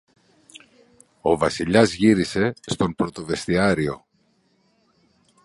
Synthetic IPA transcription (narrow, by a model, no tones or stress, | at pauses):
o̞vɐsiʎɐzʝiɾise̞st̪o̞mpɾo̞t̪o̞ve̞st̪iɐɾio̞̰